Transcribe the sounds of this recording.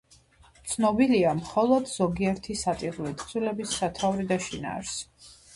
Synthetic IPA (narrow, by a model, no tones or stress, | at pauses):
t̪sʰnɔbiliamχɔlˠɔd̪z̥ɔɡiɛɾt̪ʰisat̪ʼiʁulit̪ʰʼzʰilɛbisːat̪ʰavɾid̪aʃina̰ɾs